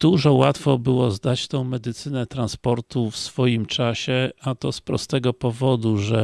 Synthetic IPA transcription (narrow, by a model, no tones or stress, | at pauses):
d̪̥uʐɔwat̪fɔbɘwɔzd̪at͡ɕt̪ɔ̃w̃mɛd̪ɘt̪sɘnɛt̪ɾanspɔɾt̪ufsfɔjimt͡ʂaɕɛat̪ɔspɾɔ̰st̪ɛɡɔpɔvɔd̪uʐɛ